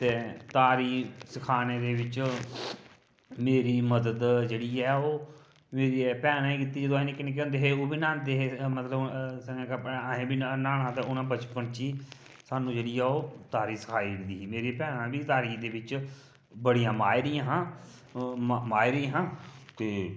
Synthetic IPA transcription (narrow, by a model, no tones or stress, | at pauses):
t̪eːt̪aːɾiːsəkʰaːneːd̪eːʋɪt͡ʃ | meːɾiːməd̪əd̪d͡ʒeːɽiːɛːoː | meːɾiepɛːnãːiːkɪt̪ːiːd͡ʒəd̪õɦiːnẽːkɪnẽːkɛ̃nd̪eːɦeːoːbiːnãːnd̪eːɦeːmət̪ləbsəŋɛ̃ːkapːɦẽːbiːnaːnãːt̪aʊnãːbət͡ʃpənt͡ʃiː | saːnũːd͡ʒeːɽiːɛːoːt̪aːɾiːsə̥kʰaːiɪd̪iːɦiːmeːɾipɛːnãːbiːt̪aːɾiːd̪eːʋɪt͡ʃ | bəɽijãːmaːiɾɪjãːɦãː | maːiɾiːɦãːt̪eː